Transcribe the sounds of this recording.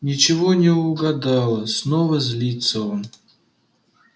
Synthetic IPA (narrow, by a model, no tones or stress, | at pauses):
nʲɪt͡ɕɪvonʲɪʊɡɐd̪ɑlˠəsnovəzʲlʲit̪səon